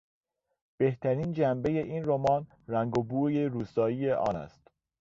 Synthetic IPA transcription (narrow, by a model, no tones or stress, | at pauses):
b̥e̞ht̪ʰæɾiːnd͡ʒæmbe̞je̞ʔiːnromɒːn | ræŋɡobuːje̞ɾuːst̪ɒːije̞ʔɒ̰ːnæ̰st̪